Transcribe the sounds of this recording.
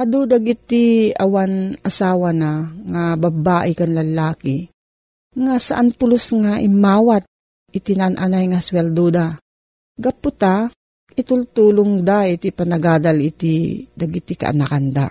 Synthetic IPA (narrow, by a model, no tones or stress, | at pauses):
ad̪ud̪aɡit̪ia̰wanʔasaːwanaŋababaːʔɪkanlɐlaːki | ŋasaʔanpʊlʊsŋaʔɪmaːwat̪̚ | ɪt̪inaanʔanajŋaswɛld̪ud̪a | ɡapʊt̪a | ɪt̪ʊlt̪uːlʊŋd̪ait̪ipɐnɐɡaːd̪alit̪id̪ɐɡit̪ika̰ʔa̰nakand̪a